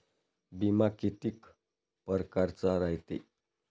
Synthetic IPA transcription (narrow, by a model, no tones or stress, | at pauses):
bimakit̪ik | pəɾkaɾt͡saɾajt̪e